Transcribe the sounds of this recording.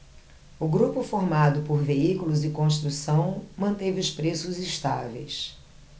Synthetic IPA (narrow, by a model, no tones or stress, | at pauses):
ʊɡɾupʊfoɾmad̪ʊpoɾveikʊlʊzɪkõst̪ɾusɐ̃w̃mɐ̃nt̪evɪʊspɾesʊziʃt̪a̰vḛjs